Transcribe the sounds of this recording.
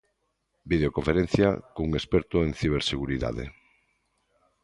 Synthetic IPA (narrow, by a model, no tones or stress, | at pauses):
biðeokoɱfeɾẽn̟θja̰kuŋespɛɾt̪oẽŋθiβ̞eɾseɣuɾiða̰ðḛ